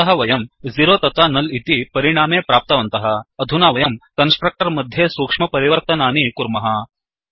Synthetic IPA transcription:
ɐɦɐʋɐjɐmziɾoːt̪ɐt̪aːnɐlit̪ipɐɾiɳ̃aːmeːpɾaːp̚t̪ɐʋɐnt̪ɐɦɐ̆ːd̪ʱunaːʋɐjɐmkɐnsʈɾɐk̚ʈɐɾmɐd̪ʱjeːsuːkʂmɐpɐɾiʋɐɾt̪ɐnaːnikuɾmɐɦɐ

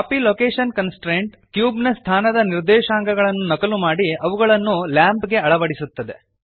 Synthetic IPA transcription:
kapiloːkeːʂɐnkɐnsʈɾeːɳʈ | kjuːbnɐst̪ʰaːnɐd̪ɐniɾd̪ɛːʃaːŋɡɐɡɐɭɐnːunɐkɐlumaːɽiɐʋuɡɐɭɐnːulaːmpɡe̞ɐɭɐʋɐɽisut̪ːɐd̪e̞̰

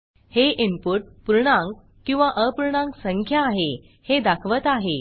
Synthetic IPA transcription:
heʔimpuʈ̚puɾɳãŋɡ | kĩw̃ʋaʔəpuɾɳãŋksəŋkʰjaːɦe | hed̪akʰʋət̪aɦe

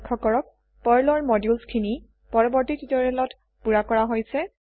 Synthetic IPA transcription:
kʰːɔkɔɹɔk̚ | pɔɹlɔɹmɔdjulskʰini | pɔɹɔbɔɹtitutɔɹɛlɔt | puɹakɔɹaɦojsɛ

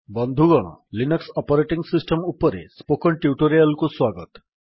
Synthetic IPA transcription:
bɔnd̪ʱuɡɔɽ̃ɔ̰linɔksɔpɔɾeʈiŋɡsisʈemupɔɾḛspokɔɳʈiuʈoɾialkuswaɡɔt̪

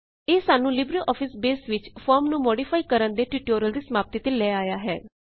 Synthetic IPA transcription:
eːsaːnũːlɪbɾiːʔɔːpʰɪsbeːsʋɪt͡ʃpʰɔːɾmnũːmɔːɖiːpʰaːikəɾənd̪eːʈiːʈoːɾəld̪iːsəmaːp̚t̪iːt̪eːlɛːaːjaːɦɛ̰ː

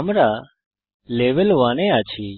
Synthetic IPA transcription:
əmɾaː | leːʋəlʋaːnẽːaːt͡ʃʰiː

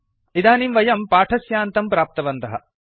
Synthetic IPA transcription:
id̪aːnimʋɐjɐmpaːʈʰɐsjaːnt̪ɐmpɾaːp̚t̪ɐʋɐnt̪ɐɦɐ̰

